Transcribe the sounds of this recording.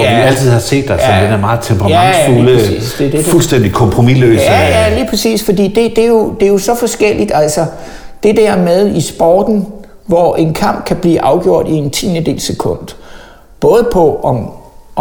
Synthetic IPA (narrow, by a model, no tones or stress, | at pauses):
ɒdæl̰t͡sʰið̞̰ˠhɑ̈se̝̰ːd̥ːɑɒd̥enæɐmɑ̈ːð̩ˠt͡sʰempʰʁɑmɑ̈ŋsuləḭːsd̥ed̥e̥fulsd̥en̰d̥ikʰɒ̽mpʰʁo̝milø̰ːæjæliːpʰsḭːsfɒ̽d̥ḭːd̥e̝d̥e̝jo̝d̥e̝jo̝sɒ̽fɒ̽sɡ̥el̰id̥æl̰sɒ | d̥e̝d̥æɐ̰með̞ˠisb̥ɒ̰ːd̥n̩ | ʋɒʔe̝nkʰɑ̈m̰b̥̚kʰæb̥liːʔɑ̈ʊɡ̥jo̝ɐ̰d̥ie̝nt͡sʰḭːned̥e̝̰ːlsekʰɔ̽n̰d̥ | b̥ɔ̽ːð̞ˠəpʰɒ̽ʔɒ̽